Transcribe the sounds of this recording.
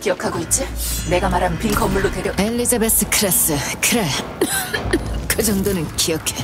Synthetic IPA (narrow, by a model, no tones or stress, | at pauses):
kijʌkʰaɡoit̚t͡ɕ͈ine̞ɡamaɾannpikʰʌmːuɭːotwe̞ɾjʌeʎːid͡ʑabes͈ɯkʰɯɾes͈ɯkʰɯɾe | kɯd͡ʑʌŋdonɯnkijʌkʰe